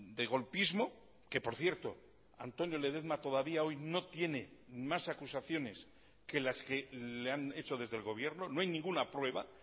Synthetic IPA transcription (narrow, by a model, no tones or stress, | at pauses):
d̪eɣ̞o̞lpizmo̞ | ke̞po̞ɾθje̞ɾt̪o̞ | a̰nt̪o̞njo̞leðe̞ðmat̪o̞ð̞aβiao̞jno̞t̪je̞ne̞masakusaθjo̞ne̞s | kelaske̞leane̞t͡ʃo̞ðe̞zðe̞lɣo̞β̞je̞ɾno̞noajnĩŋɡunapɾwe̞βa